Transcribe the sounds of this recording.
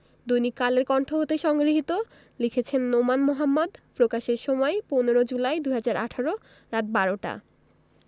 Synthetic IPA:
d̪ujnikaleɾkɔɳʈʰoɦot̪eʃɔŋɡɾiɦit̪o | likʰet͡ɕʰenːomanmoɦamːod̪pɾokaʃeɾʃɔmɔeponeɾod͡ʑulaejd̪uɦad͡ʑaɾʔa̰ʈʰaɾo | ɾat̚baɾoʈa̰

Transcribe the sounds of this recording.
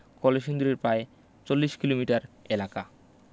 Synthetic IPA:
kɔleʃund̪ɾeɾpɾae | t͡ɕolːiʃkilomiʈaɾelaka

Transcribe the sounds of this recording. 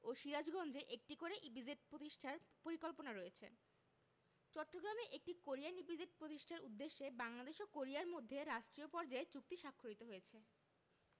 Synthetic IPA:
oʃiɾad͡ʑɡɔnd͡ʑeʔek̚ʈikoɾeʔibid͡ʑeʈ̚pɾot̪iʃʈʰaɾpoɾikolponaɾojet͡ɕʰḛ | t͡ɕɔʈːoɡɾameʔek̚ʈikoɾijanibid͡ʑeʈ̚pɾot̪iʃʈʰaɾud̪ːeʃːebaŋlad̪eʃokoɾiaɾmod̪ʱːeɾaʃʈɾiopɔɾd͡ʑaet͡ɕuk̚t̪iʃakʰːolit̪oɦojet͡ɕʰe

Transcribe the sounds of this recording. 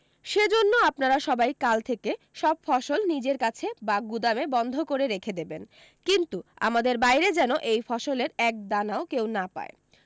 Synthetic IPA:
ʃed͡ʑonːoapnaɾaʃɔbajkalt̪ʰeke | ʃɔb̚fɔʃolnid͡ʑeɾkat͡ɕʰebaɡud̪amebɔnd̪ʱokoɾeɾekʰed̪eben | kint̪ua̰mad̪eɾbajɾed͡ʑɛnoʔejfɔʃoleɾɛk̚d̪anaokewnapa̰e

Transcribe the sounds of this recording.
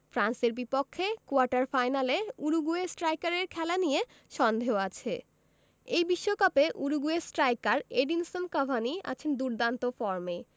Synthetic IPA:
fɾanseɾbipokʰːekoaɾʈaɾfajnaleuɾuɡuesʈɾajkaɾeɾkʰɛlanije | ʃɔnd̪ʱeoat͡ɕʰe | ejbiʃːokapeʔuɾuɡuesʈɾajkaɾeɖinsonkabʱaniʔa̰t͡ɕʰend̪uɾd̪ant̪ofɔɾme

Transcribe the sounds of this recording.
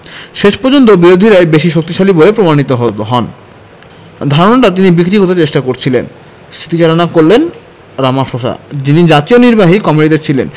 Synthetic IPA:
ʃeʃpɔɾd͡ʑont̪̬obiɾod̪ʱiɾaebeʃiʃok̚t̪iʃalibolepɾomañit̪oɦooɦɔn | d̪ʱaɾonaʈat̪̬inibikɾikot̪et͡ɕeʃʈakoɾt͡ɕʰilḛn | st̪ʰit̪it͡ɕaɾanakoɾlen | ɾamaʃoʃa̰d͡ʑinid͡ʑat̪ioniɾbaɦikɔmiʈid̪eɾt͡ɕʰilḛn

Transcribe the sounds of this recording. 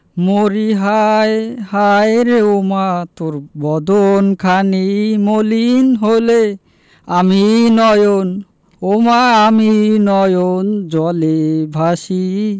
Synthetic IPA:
moɾiɦajhajɾeomat̪oɾbɔd̪onkʰanimolinɦole | aminɔjon | omaaminɔjond͡ʒɔlebʱaʃi

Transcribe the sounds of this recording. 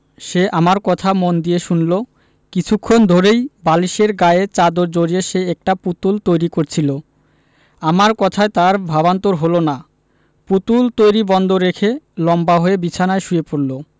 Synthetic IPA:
ʃeʔamaɾkɔt̪ʰamond̪ieʃunlo | kit͡ɕʰukʰːond̪ʱoɾejbaliʃeɾɡaeet͡ɕad̪oɾd͡ʑoɾieʃeɛk̚ʈaput̪ult̪ojɾikoɾt͡ɕʰilo | amaɾkɔt̪ʰaet̪aɾbʱaβant̪oɾɦolona | put̪ult̪ojɾibɔnd̪ʱoɾekʰelɔmbaɦoebit͡ɕʰanaeʃuepoɾlo

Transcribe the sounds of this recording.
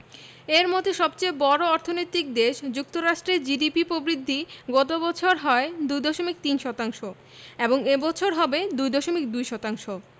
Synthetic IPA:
eɾmod̪ʰʱeʃɔbt͡ɕeebɔɾoɔɾt̪ʰonojt̪ik̚d̪eʃd͡ʑuk̚t̪oɾaʃʈɾeɾd͡ʑiɖipipɾobɾid̪ʱːiɡɔt̪̬obɔt͡ɕʰoɾɦɔed̪ujd̪ɔʃomik̚t̪inʃɔt̪aŋʃo | eboŋebɔt͡ɕʰoɾɦɔbed̪ujd̪ɔʃomik̚d̪ujʃɔt̪aŋʃo

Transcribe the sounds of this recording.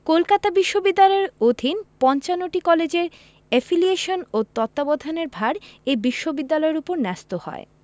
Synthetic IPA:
kolkat̪abiʃːobid̪ːalɔeɾod̪ʱinpɔnt͡ɕanoʈikɔled͡ʑeɾ | ɛfilieʃonot̪ɔt̪ːabɔd̪ʱaneɾbʱaɾejbiʃːobid̪ːalɔeɾupoɾnɛst̪ohɔ̰e

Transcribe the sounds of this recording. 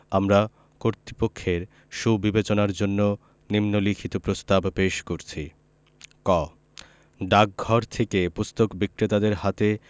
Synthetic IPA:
amɾa | koɾt̪ɾipokʰːeɾ | ʃubibet͡ɕonaɾd͡ʑonːo | nimnolikʰit̪opɾost̪abpeʃkoɾt͡ɕʰi | kɔ | ɖak̚ɡʱɔɾt̪ʰekepust̪okbikːɾet̪ad̪eɾhat̪e

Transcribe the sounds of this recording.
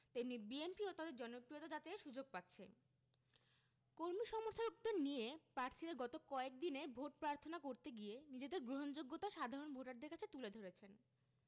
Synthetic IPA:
t̪inibienpiot̪ad̪eɾd͡ʑɔnopɾijot̪ad͡ʑat͡ɕaeʃud͡ʑoɡ̚pat̪ːɕʰḛ | koɾmiʃɔmoɾt̪ʰok̚d̪eɾniepɾaɾt̪ʰiɾaɡɔt̪okɔek̚d̪inebʱoʈ̚pɾaɾt̪ʰonakoɾt̪eɡienid͡ʑed̪eɾɡɾoɦond͡ʑoɡːot̪aʃad̪ʱaɾonbʱoʈaɾd̪eɾkat͡ɕʰet̪uled̪ʱoɾet͡ɕʰen

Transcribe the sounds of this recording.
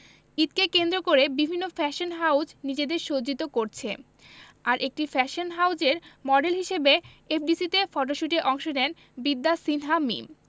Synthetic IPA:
it̪̚kekend̪ɾokoɾebibʱinːofɛʃonɦawd͡ʑnid͡ʑed̪eɾʃod͡ʑit̪okoɾt͡ɕʰe | aɾʔek̚ʈifɛʃonɦawd͡ʑeɾmɔɖelɦiʃebe | efʰɖisit̪efɔʈoʃuʈeʔɔŋʃonɛn | bid̪ːasinɦamḭm

